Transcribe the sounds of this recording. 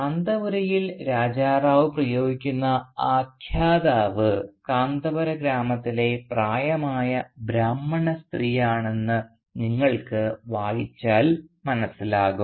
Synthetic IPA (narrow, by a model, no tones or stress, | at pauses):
kaːnd̪ɐʋɐɾɐjilɾaːd͡ʑaːraːʋɨprɐjo̞ːɡikʲːunːɐaːkʰjaːd̪aːʋɨkaːnd̪ɐbɐɾɐɡɾaːmɐt̪ːile̞praːjɐmaːjɐbɾaːmːɐɳɐst̪riːjaːɳe̞nːɨ | niŋːɐɭkɨʋaːɻit͡ɕːaːlmɐnɐsːilaːɣum